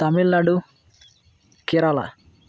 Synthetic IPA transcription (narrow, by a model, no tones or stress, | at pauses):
t̪ɐmilnaɖu | kiɾala̰